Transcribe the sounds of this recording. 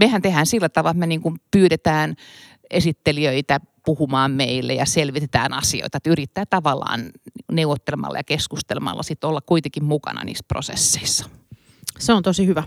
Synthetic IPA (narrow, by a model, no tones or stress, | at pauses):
mehænt̪ehæːnsilːæt̪ɑʋɑlmeniːŋkumpyːɾet̪æːn | esit̪ːeliøit̪æpuhumɑːmmeilːḛjɑselʋit̪et̪æ̰ːnɑsio̰it̪ɑet̪yrit̪ːæːt̪ɑʋɑlːˑɑ̰ːnnineuʋot̪ːelemɑ̰lːɑ̰jɑkeskust̪elemɑ̰lːɑ̰sit̪ːolːɑkkuit̪ekimmukɑ̰nɑ̰nḭːspro̰sḛsːe̥isːɑ̥ | seont̪osihyʋæ